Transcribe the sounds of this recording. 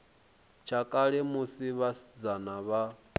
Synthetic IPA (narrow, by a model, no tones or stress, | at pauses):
t͡ʃʰakʼaɺɛmusiβasid͡zanaβa